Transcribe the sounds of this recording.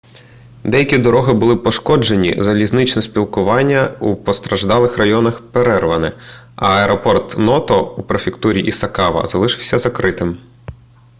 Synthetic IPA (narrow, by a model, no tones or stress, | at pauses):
d̪ɛjɐkʲid̪ɔɾɔɦɪbʊlˠɪpɔʃkɔd͡ʒe̞nʲḭzɐlʲizʲnɪt͡ʃnɛsʲpʲilˠkʊʋɑnʲːɐupɔst̪ɾɐʒd̪ɑlˠɪxrɐjɔnɐxpeɾɛrʋɐnɪ | ɐ̰ɐɛɾɔpɔrt̪nɔt̪ɔupɾefʲɪkt̪uɾʲiʔisɐkɑʋɐ̰zɐlˠɪʃɪwsʲɐzɐkɾɪt̪ɪm